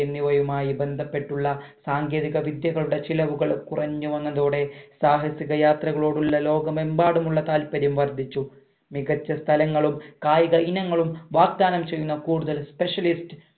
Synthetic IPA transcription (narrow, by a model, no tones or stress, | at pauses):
ɐmniʋɐjumaːjibe̞nd̪ʱɐpːe̞ʈːuɭːɐsaːŋɡe̞ːðiɣɐʋid̪jɐɣɐɭuɽe̞t͡ɕilɐʋuɣɐɭkurɐɲːuʋɐnːɐðoːɽe̞saːɦɐsjɐɣɐjaːt̪rɐɣɐɭo̞ːɽulːɐlo̞ːɡɐmembaːɽumuɭːɐt̪aːlpɐɾjɐmʋɐrd̪ʱit͡ɕːu | miɣɐt͡ɕːɐst̪ʰɐlɐŋːɐɭumkaːjiɣɐinɐŋːɐɭumʋaːɡ̚d̪aːnɐmt͡ɕe̞jːunːɐkuːɽuðɐlspe̞ʂɐlist